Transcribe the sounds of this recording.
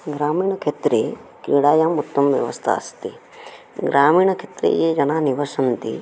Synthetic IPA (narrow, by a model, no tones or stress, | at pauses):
ɡɾaːmiːɳɐkʰet̪ɾeːkḭːɽaːjaːmut̪ːɐmʋjɐ̰ʋɐ̰st̪ʰa̰ɐ̰st̪i | ɡɾʔaːmiːɳɐkʰet̪ɾḛːjeːd͡ʒɐnaːniʋɐɾsɐnt̪ḭ